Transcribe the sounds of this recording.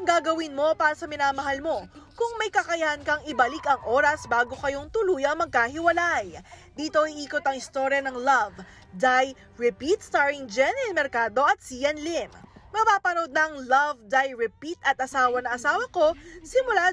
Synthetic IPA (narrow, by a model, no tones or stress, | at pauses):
ŋɡaɡɐwinmo̞paːɾɐsɐmɪnaːmɐɦɐlmo̞kʊŋmɐjkɐkɐjɐhɐnkɐŋɪbɐlikɐŋʔo̞ːɾɐsbaːɡo̞kɐjo̞ŋt̪ʊluːjɐŋmɐɡ̚kahɪwɐlajd̪iːt̪o̞ʔiʔiːko̞t̪ɐŋɪst̪o̞ɾjɐnɐŋlɐv | d̪aj | ɹɛpit̪̚st̪aɹɪŋd͡ʒɛnɛlmɛɾkaːd̪o̞ʔɐt̪̚sijɐnlɪmmɐpaːpɐnowd̪̚nɐʔɐŋlɐvd̪ajɹɛpit̪ɐt̪̚ʔɐsaːwɐnɐʔɐsaːwɐko̞sɪmʊla